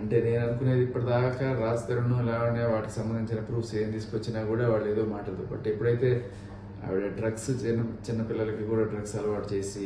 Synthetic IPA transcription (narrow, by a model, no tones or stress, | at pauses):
ɐɳʈe̞ːne̞ːnɐnukuneːd̪iipːɐʈid̪aːkɐɾaːst̪ɐɾuɳːuɛlaːʋɐneːʋaːʈikisɐmbɐnd̪ʱiɲt͡ʃinɐpɾuːpseːmt̪iːsukʋɐt͡ʃːinaːkuːɽaːʋaːɭːue̞ːd̪o̞ːmaːʈɐɽɐd̪ubɐ̰ʈːepːuɽɐjt̪e̞ː | ɐ̰ʋiɽɐɖɾɐɡst͡ʃinɐt͡ʃinːɐpilːɐlɐkikuːɽaːɖɾɐɡsɐlɐʋaːʈt͡ʃe̞ːsi